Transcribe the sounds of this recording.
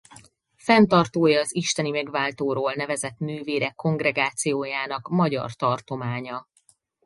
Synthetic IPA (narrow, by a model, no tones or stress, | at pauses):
fɛnt̪ɒrt̪oːjɒːziʃt̪ɛnimɛɡvaːlt̪oːɾoːlnɛvɛzɛt̪nøːveːɾɛkːo̞ŋɡrɛɡaːt̪sijoːjaːnɒkmɒɟɒ̰rt̪ɒrt̪o̞maːɲɒ